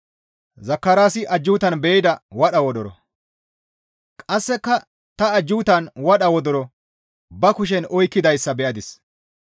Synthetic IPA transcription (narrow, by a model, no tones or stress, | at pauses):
zɐkːɐɾaːsɪʔɐd͡ʒːuːt̪ɐnbeːd̪ɐwɐɗɐwɔd̪ɔɾɔ̰ | kʼɐsːɛkːɐ | t̪ɐːd͡ʒːuːt̪ɐnwɐɗɐwɔd̪ɔɾɔ | bɐkʊʃ̬ɛnɔjkːɪd̪ɐjsːɐbɛʔɐd̪ɪs